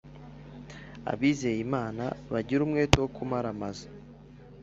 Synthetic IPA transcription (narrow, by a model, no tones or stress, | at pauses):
a̰βiːzejimaːna̰βaɟiɾumŋe̞ːtewokʰumaɾamaza